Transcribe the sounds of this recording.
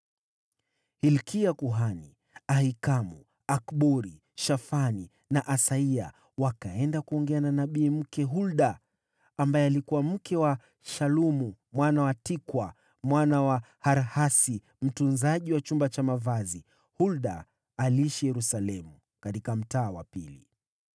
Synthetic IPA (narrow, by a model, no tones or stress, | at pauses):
hilkiakuɦani | ahikamṵ | akɓuɾi | ʃafani | naʔasaia̰ | wakaɛndakuɔŋɡɛananaɓiːm̩kɛɦulɗaː | mbajɛalikuwam̩kɛwa | ʃalumumwanawatikwa | mwanawa | haɾhasi | m̩tunzaʄiwat͡ʃumbat͡ʃamavazi | hulɗa̰ː | liiʃijɛɾusalɛmu | katikam̩taːwa̰pili